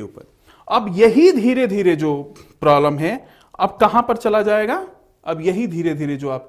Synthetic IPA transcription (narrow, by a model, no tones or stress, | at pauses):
ṵːpə̰ɾ | ɐbjɐɦid̪ʱiːɾed̪ʱiːɾed͡ʒoːpɾaːbləmɦɛ̃ | ɐb̚kɐɦãpɐɾt͡ʃɐlad͡ʒaːeːɡaː | ɐbjɐɦid̪ʱiːɾed̪ʱiːɾed͡ʒoːaːp̚